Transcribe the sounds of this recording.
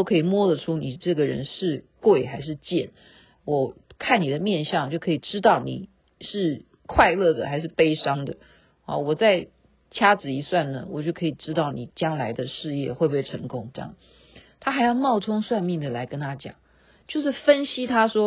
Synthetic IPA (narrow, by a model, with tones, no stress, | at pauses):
o˥ʊkʰɤ˧˥i˨˩mwɔ˥d̪ə˨ʈ͡ʂʰu˥ni˨˩ʈ͡ʂɤ˥˩ɡə˩ɻə̰˧˥nʂɻ̩˥˧kwe˥˩ɪxa˧˥ɪʂ̬ɻ̩˥˧t͡ɕjɛ˥˩n | wɔ˨˩kʰa˥˩ni˨˩d̪ə˦mjɛ˥˧nɕjɑ˥˧ŋt͡ɕjo˥˩ʊkʰɤ˧˥i˨˩ʈ͡ʂɻ̩˥t̪ɑ˥˩ʊni˨˩ | ʂɻ̩˥˩ | kʰwa˥˧ɪlɤ˥˩d̪ə˩xa˧˥ɪʂɻ̩˥˩pe˥ɪʂɑ˥ŋd̪ə˨ | a̰˧˩wɔ˨˩t͡sa˥˩ɪ | t͡ɕʰja˥t͡sɻ̩˨˩i˧˥swa˥˩nnə̰˩wɔ̰˨˩t͡ɕjo˥˩ʊkʰɤ˧˥i˨˩ʈ͡ʂɻ̩˥t̪ɑ˥˩ʊni˨˩t͡ɕjɑ˥ŋla˧˥ɪd̪ə˧ʂɻ̩˥˧jɛ˥˧xwe˥˧pe˥˩ɪʈ͡ʂʰɤ˧˥ŋkʊ˥ŋʈ͡ʂɤ˥˧jɑ̰˨ŋ | t̪ʰa˥xa˧˥ɪjɑ˥˧ʊmɑ˥˩ʊʈ͡ʂʰʊ˥ŋswa˥˧nmi˥˩ŋd̪ə˩la˧˥ɪkə˥nt̪ʰa˥t͡ɕjɑ̰˨˩˦ŋ | t͡ɕjo˥˧ʊʂ̬ɻ̩˥˩fə˥nɕi˥t̪ʰa˥ʂwɔ˥